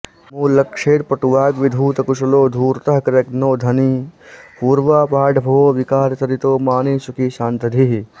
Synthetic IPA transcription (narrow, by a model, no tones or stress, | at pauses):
muːlɐkʂeːɾpɐʈuʋaːɡʋid̪ʱuːt̪ɐkuʃɐloːd̪ʱuːɾt̪ɐɦkɾɐknoːd̪ʱɐniːpuːɾʋaːpaːɖʱbʱoːʋikaːɾsɐɾit̪oːmaːneːsukiːʃãːnt̪ɐd̪ʱiɦ